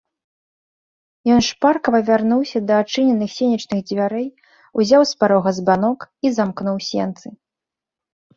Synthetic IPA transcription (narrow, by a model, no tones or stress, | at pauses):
jɔnʂparkɐvɐvʲarnuwsʲɐd̪ɐːt͡ʂɨnʲɛnːɨxsʲenʲit͡ʂnɨɣd͡zʲvʲaɾɛj | uzʲawspaɾɔɣɐzbanɔkizamknuwsʲɛ̰nt̪sɨ